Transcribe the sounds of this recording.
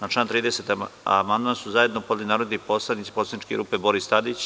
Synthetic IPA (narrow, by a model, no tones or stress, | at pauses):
nat͡ʃaːnt̪ɾiːd̪eset̪a̰mand̪mansuzaje̞d̪nopod̪linaːɾod̪niposlaniːt̪i̥poslait͡ʃkeɾuːpebo̞ɾist̪ad̪it͡ɕ